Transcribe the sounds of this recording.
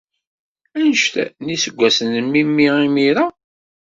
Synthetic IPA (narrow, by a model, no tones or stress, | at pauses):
ænəʃt̪æ̰nisəɡʷːæsənːəmːimːiimiɾa